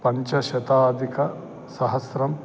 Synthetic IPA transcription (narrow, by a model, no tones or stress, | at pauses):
pɐɲt͡ʃɐʃɐt̪aːd̪ʱikɐ | sɐɦɐsɾɐm